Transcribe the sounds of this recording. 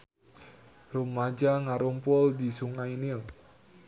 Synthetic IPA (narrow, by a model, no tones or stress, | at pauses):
rumad͡ʒaŋaɾumpʊldisuŋainɪl